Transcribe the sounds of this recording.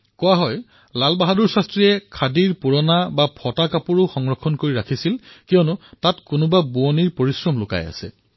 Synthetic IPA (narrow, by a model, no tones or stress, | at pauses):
kɔwaɦɔj | lalbaɦaduɹsastɹijɛkʰadiɹpuɹɔnabapʰɔtakapuɹʊxɔŋɹɔkʰːɔnkoɹiɹakʰisilkijɔnʊtatkʊnʊbabuɔniɹpoɹisɹɔmlʊka̰ja̰sɛ̰